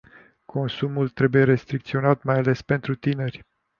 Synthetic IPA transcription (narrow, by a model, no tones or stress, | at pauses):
kʰo̞nsumult̪ɾe̞buje̞ɾe̞st̪ɾik̚t̪sio̞nat̪majale̞spe̞nt̪ɾut̪ine̞rʲ